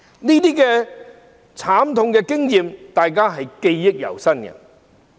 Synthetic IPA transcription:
niː˥t̪iː˥kɛː˧ | t͡sʰaː˨˥mt̪ʰʊ˧ŋkɛ˧kɪ˥ŋjiː˨mt̪aː˨jk̬aː˥ɦɐ˨jke˧jːɪ˥k̚jɐ̰˨˩wsɐ˥nkɐ̰˨

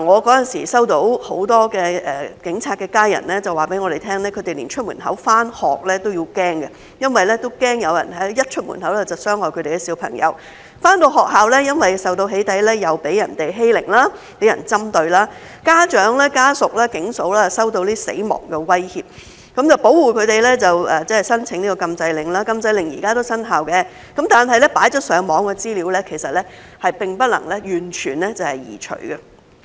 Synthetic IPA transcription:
a˨˩ŋɔː˨˧kɔː˨˥jɐ˨nsḭː˨˩sɐ˥wt̪o˨˥who˨˥wt̪ɔː˥kɛː˧ʔɛː˨kɪ˨˥ŋt͡sʰaː˧t̚kɛː˧kaː˥jɐ̰˨˩nlɛː˥t͡sɐ˨waː˨˩pe˨˥jŋɔː˨˧ɾe˨˩jt̪ʰɛː˥ŋlɛː˥kʰɵ˨˧ɥt̪e˨˩lḭː˨˩nt͡ʃʰɵ˥mṵː˨˩nɦɐ̰˨˥wfaː˥nhɔː˨k̚lɛː˥t̪o˥wjiː˧wkɛː˥ŋɡɐ˨ | jɐ˥nwɐ˨jlɛ˥t̪o˥wkɛː˥ŋjɐ˨˧wjɐ̰˨˩nhɐ˨˥jɐ˥t̚t͡ʃʰɵ˥t̚mṵ˨˩nɦɐ˨˥wlɛ˥t͡sɐ˨wsœː˥ŋhɔː˨˩kʰɵ˨˧t̪e˨jkɛ˧si˨˧wpʰɐ̰˨˩ŋjɐ̰˨˧w | faː˥nt̪o˧wɦɔː˨k̚ɦaː˨wlɛ˥jɐ˥nwɐ˨jsɐ˨wt̪o˧wɦe˨˥jt̪ɐ˨˥jlɛː˥jɐ˨wpe˨˥jɐ˨˩nt̪e˨jɦe˥jlɪ̰˨˩ŋlaː˥ | pe˨˥jɐ̰˨˩nt͡sɐ˥mt̪ɵ˧ɥlaː˥ | kaː˥t͡ʃœː˨˥ŋlɛː˥kaː˥sʊ˨k̚laː˥kɪ˨˥ŋso˨˥wlaː˥˨sɐ˥wt̪o˧wliː˥sḛ˨˥jmɔ̰ː˨˩ŋkɛ˧wɐ˥jhiː˨p̚ | kɐ˨˥mt͡sɐ˨˩wpo˨˥wwuː˨kʰɵ˨˧t̪e˨jlɛː˥t͡sɐ˨wɐː˨˩t͡sɛ˥ɐ˨˩jsɐ˥nt͡sʰɪ˨˥ŋniː˥kɔː˨˧kɐ˧mt͡sɐ˧jlɪ˨˩ŋlaː˥kɐ˧mt͡sɐ˧jlɪ˨ŋjḭː˨˩kaː˥t̪o˥wsɐ˥nɦaː˨wkɛ˧ | kɐ˨˥mt̪aː˨nɦɐ˨jlɛ˥paː˨˥jt͡ʃɔː˥t̚sœː˨˧˥ŋmɔː˨˥ŋkɛ˧t͡siː˥liː˨˧˥wlɛ˥kʰe˨˩jsɐ˨t̚lɛ˥ | hɐ˨jpɪ˨ŋpɐ˥t̚lɐ̰˨˩ŋlɛ˥jyː˨˩nt͡ʃʰyː˨˩nlɛ˥t͡sɐ˨˩whɐ˨jjḭː˨˩t͡ʃʰɵ̰˨˩ɥɡɛ˧

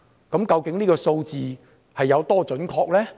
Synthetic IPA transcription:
kɐ˨˥mkɐ˧wkɪ˨˥ŋniː˥kɔː˧so˧wt͡siː˨ | hɐ˨jːɐ˨˧wt̪ɔː˥t͡ʃɵ˨˥nkʰɔː˧k̚lɛː˥

